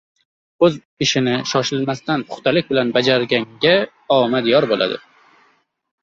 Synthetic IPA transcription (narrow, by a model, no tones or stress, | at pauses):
ɵz | ɪʃɪnɪʃɒʃɪlmast̪anpʰʊ̥χt̪ʰalɪk̚ʲbɪlanbad͡ʒaɾɡʲaŋɡʲa | ɒmad̪jɒɾbola̰d̪ɪ̰